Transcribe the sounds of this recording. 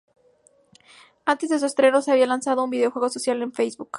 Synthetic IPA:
ant̪e̞zðe̞s̬uest̪ɾe̞no̞seaβialansað̞o̞umbiðeo̞xwe̞ɣo̞sosjale̞ɱfejzβuk

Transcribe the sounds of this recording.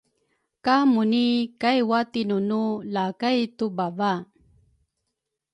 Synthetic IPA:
kamunikajwat̪inunulakajtubava

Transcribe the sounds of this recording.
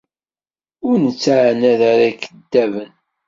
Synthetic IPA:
ʊɾnət͡sːaʕnæðaɾækəd̪ːævən

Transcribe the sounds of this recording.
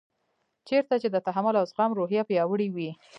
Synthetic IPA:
t͡ʃeɾt̪at͡ʃed̪ət̪aɦamʊlawsɣɑmɾoɦjɑpjɑwəɽiwi

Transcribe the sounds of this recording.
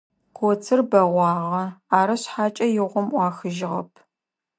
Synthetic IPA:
qʷʰot͡sʰɨrbɐʁʷɑːʁɐaːɾɐɕħaːt͡ʃʼɐjɪʁʷɔmʔʷɑːxɨʒɪʁɐ̰pʰ

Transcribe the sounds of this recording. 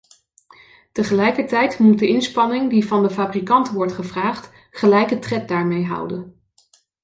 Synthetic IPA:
təχəlɛjkəɹtɛjtmut̚dəɪnspɑnɪŋdivɑndəfaːbrikɑntʋɔɹtχəvraːχt | χəlɛjkətrɛt̚daːɹmejɦʌ̰wdən

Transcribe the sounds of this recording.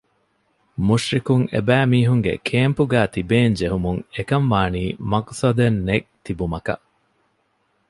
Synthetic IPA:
muʃɾikuŋḛbæːmiːɦuŋɡḛkʰeːmpuɡæːt̪ibeːɲd͡ʒeɦumuŋekɐnʋaːniːmɐksɐd̪enːek̚t̪ibumɐkɐ̰ʔ

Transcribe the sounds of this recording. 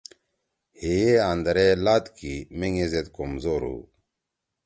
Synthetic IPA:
heeand̪ɐɾelaːt̪kimeŋezet̪komzoːɾṵ

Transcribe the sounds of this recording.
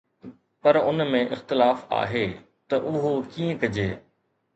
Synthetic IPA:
pɐɾʊnmẽʔɪxt̪ɪlaːfa̰ːɦeː | t̪ɐʔʊɦokiːə̃kɐd͡ʑeː

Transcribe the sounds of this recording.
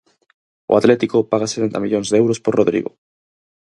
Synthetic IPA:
o̰at̪let̪ikopaɣ̞ase̥t̪ent̪amiʎonzðewɾosporoðɾḭɣo̰

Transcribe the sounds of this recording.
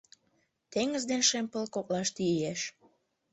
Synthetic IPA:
t̪eŋəzd̪enʃempəlkoklɑʃt̪ieʃ

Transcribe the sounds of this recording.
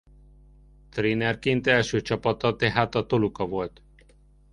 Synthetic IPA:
t̪rinɛrkint̪ɛlʃøːt͡ʃɒpɒt̪ɒt̪ɛɦaːt̪ɒt̪olukɒvo̞lt̪

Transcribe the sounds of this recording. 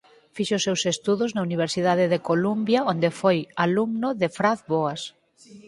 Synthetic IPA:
fiʃʊsewsest̪uðʊznauniβeɾsiðaðɪðekolumbjaond̪efojaluŋnʊðefɾaθβoas

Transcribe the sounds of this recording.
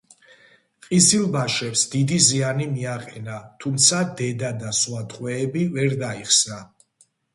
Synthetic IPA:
qʼisilˠbaʃɛpsd̪id̪izianimiaqʼɛnat̪ʰumt̪sʰad̪ɛd̪ad̪aswat̪ʼqʼwɛːbivɛɾd̪aiχsna

